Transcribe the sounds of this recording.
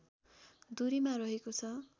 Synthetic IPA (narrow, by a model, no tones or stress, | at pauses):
d̪uɾimarʌɦekot͡sʰʌ